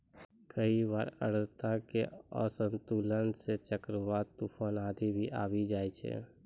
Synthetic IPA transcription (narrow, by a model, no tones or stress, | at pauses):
kʰəiʋaːɾə̰ɽ̤t̪akeə̰sə̃nt̪uːlənset͡ʃəkɾəʋaːɾt̪upʰənaːd̪ʱibʱiʔaːʋid͡ʒaːit͡ʃʰḛː